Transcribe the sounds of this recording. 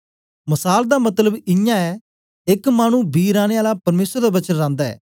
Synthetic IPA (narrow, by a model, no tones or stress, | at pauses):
məsaːld̪aːmɐt̪ləbɪjãːɛ | ɪkmaːñũːbiːɾaːɽ̃eːaːlaːpɐɾmeːsəɾd̪aːbət͡ʃənɾãːnd̪aɛ̰ː